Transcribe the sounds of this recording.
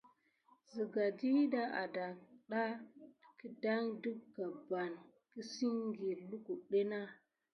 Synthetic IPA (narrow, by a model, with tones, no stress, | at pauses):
zi˨ɡa˨di˦da˦a̰˨da˨ɗa˦ki˦da˦ŋdu˦kɡa˨ba˨n | ki˦si˦ŋɡi˨lu˦ku˨ɗe˦na˦